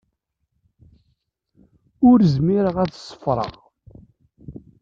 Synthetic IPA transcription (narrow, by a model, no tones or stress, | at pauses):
ʊɾzmiɾəʁæt͡ssˤːə̥fɾˤə̰ʁ